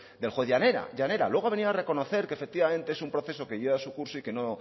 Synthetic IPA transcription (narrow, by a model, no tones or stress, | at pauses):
d̪e̞lxwoeðjaneɾa̰ʝane̞ɾa̰lwe̞ɣ̞oβe̞niare̞ko̞no̞θe̞ɾkefek̚t̪iβamẽ̞nt̪e̞esumpɾo̞θe̞so̞ke̞ʝeβasukuɾsoike̞no̞